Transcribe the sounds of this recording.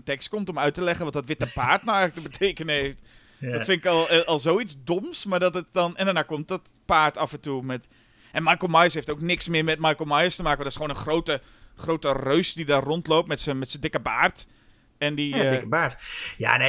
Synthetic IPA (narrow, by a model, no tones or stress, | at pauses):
ntɛkst̚komtomœɥtəlɛɣənʋɔtdɔtʋɪt̚əpaːrtnawɛjɣlək̚təbətʰeːkənəheːft | dɔttfɪnɪkɔlˠɔlˠsoːit͡sdomsmaɹdɔtət̚dɔnɛndanaːkomt̚dɔt | paːrtafə̃ntumɛt | ʔɛnmajkəlˠmajəsheːftoːknɪksmɪəmɛt̚majkəl̩ˠmajəstəmaːkəʋɔndɔɪsχoːnənχroːtə | χrowtərøɥsdidarontloːp̚mɛtsəmɛtsəndɪkəbaːrt | ɛndidɪkəbaːtja̰ne